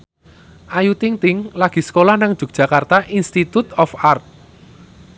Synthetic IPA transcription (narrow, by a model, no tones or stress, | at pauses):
ʔajut̪ɪŋt̪ɪŋlaɡ̥i̤sə̥kolahnaŋd̥ʒ̥ṳk̚ʒ̥a̤kart̪aʔinst̪it̪ut̪ɔfart̪̚